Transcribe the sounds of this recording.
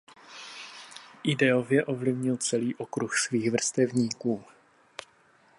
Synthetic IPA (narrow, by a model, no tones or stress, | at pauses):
ʔɪdɛovjɛʔo̞vlɪvɲɪlt͡sɛliːʔokɾuxsviːɣvr̩st̪ɛvɲiːkuː